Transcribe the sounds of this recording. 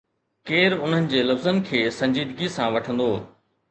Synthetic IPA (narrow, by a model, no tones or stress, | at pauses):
keːɾʊn̤ənɪ̆d͡ʑeːlɐfzənkʰeːsɐ̃ɲd͡ʑiːd̪ɡisãʋɐʈʰə̃nd̪oː